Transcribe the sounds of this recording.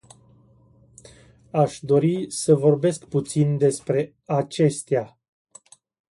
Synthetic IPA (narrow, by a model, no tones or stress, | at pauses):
aʃd̪o̞ɾisəvo̞rbe̞skput̪sind̪e̞spɾe̞ | at͡ʃe̞st̪ea